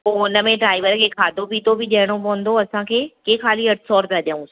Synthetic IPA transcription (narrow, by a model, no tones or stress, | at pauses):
poʊnə̆mẽɖɾaːɪʋəɾkʰeːkʰaːd̪ʱopiːt̪obʱɪʄɐɦɪɽ̃opɐʊ̃n̆d̪oɐsãkʰeːkeːxʰaːliɐʈsɔːɾpɐɐd̪ʱaũ